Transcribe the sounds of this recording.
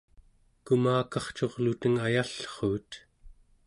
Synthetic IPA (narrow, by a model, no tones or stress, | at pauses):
kumaːkɑχt͡ʃo̞ʁlut̪əŋajaɬχuːt̪